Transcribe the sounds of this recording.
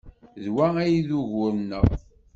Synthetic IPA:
ðwææjiðuʝʊɾnəʁ

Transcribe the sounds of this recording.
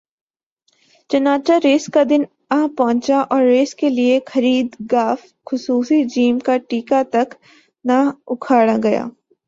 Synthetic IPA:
t͡ʃɐnaːt͡ʃaɾeːskad̪ɪn | ɐɦpɔɦʊ̃nt͡ʃaʔɔːɾːeːskeliexɐɾiːd̪ɡaːf | xʊsuːsid͡ʒiːmkaʈiːkat̪ɐk | naʊkʰaːɽaɡɐja̰ː

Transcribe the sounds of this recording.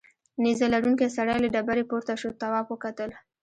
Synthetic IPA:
nizalaɽuŋkesaɽajlaɖabaɾepoɾt̪aʃot̪awɑfwəkat̪əl

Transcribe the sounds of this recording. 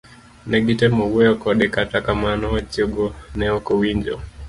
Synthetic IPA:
nɛɡitɛmɔwɛɔkɔɗɛkatakamanɔt͡ʃɔɡɔnɛɔkɔwiɲd͡ʒɔ̰

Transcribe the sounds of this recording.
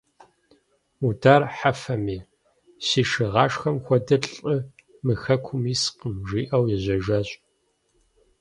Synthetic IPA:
udaːrħafɐmiː | siːʂɨʁɑːʂxɐmxʷɔdɨɬʼɨ | mɨxɐkʷʰʊmiːsqəmʒiːʔɐwjɛʑʷɐʒɐɕʼ

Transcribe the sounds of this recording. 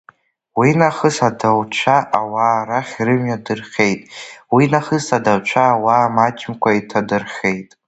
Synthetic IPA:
winaχəsadawt͡ʃʷʰaʔawaːraχʲrɨmjadɨrχʲe̞jtʼwinaχəsadawt͡ʃʷʰaːwaːmat͡ʃʰʼɪmkʷʰaitʰadɨrχʲe̞jtʼ

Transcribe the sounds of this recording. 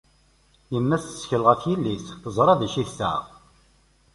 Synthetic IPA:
jəmːæsθə̥sçələʁæθjilːisθəzˤɾˤɑðæʃiθsæ̰

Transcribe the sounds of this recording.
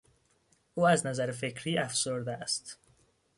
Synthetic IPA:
ʔuːæznæzæɾefe̞cʰɾiːæfsoɾd̪est̪

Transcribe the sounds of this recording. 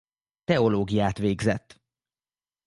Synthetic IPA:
t̪ɛo̞loːɡijaːt̪ʋeːɡzɛt̪ː

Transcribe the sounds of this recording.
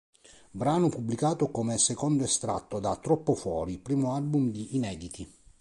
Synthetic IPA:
bɾaːnopubːlikaːt̪okomɛsekɔnd̪oest̪ɾa̰t̪ːod̪at̪ːɾɔpːofwɔːɾipɾiːmoalbumd̪iʔːnɛːd̪it̪i

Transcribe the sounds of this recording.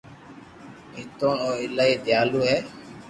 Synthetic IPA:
ɦɪt̪õːoːɪlaːiːd̪jaːluːɦɛː

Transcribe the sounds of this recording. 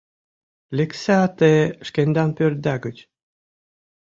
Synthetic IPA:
lʲeksæɑt̪eʃkenʲd̪ɑnpʲør̚d̪æɡə̆t͡ɕ

